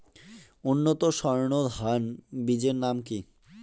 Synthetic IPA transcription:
unːot̪oʃɔɾɳod̪ɦanbid͡ʑeɾnamki

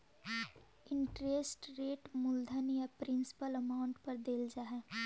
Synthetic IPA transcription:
ɪɳʈɾeːsʈɾeːʈmʊld̪ʱənijapɾɪ̃nsɪ̥pələmaːʊ̃ɳʈpɐɾd̪eːld͡ʒaːɦɛː

